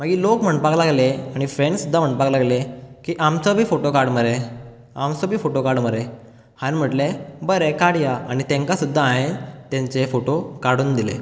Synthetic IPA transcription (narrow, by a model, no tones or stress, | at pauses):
m̤əɡiːlokm̤əɳpaklaɡleaɽ̃ifɾẽɳɖsud̪ʱːam̤əɳpaklaɡlekiːʔamt͡sɔbʱiːfoʈokaɾɖməɾe | amt͡sɔbʱiːfoʈokaɾɽməɾe | hanm̤əʈlebəɾekaɽjaaɽ̃it̪ẽŋkasud̪ʱːaãɦet̪ẽɲt͡sefoʈokaɽuːnd̪ilḛ